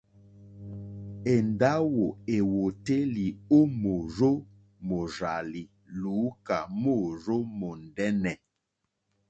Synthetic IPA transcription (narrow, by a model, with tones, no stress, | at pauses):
e˨n˨da˦wo˨e˨wo˨te˦li˨o˦mo˨ɾo˦ | mo˨ɾa˨li˨ | luː˨˦ka˨mo˦˨ɾo˦mo˨n˨dɛ˦nɛ˨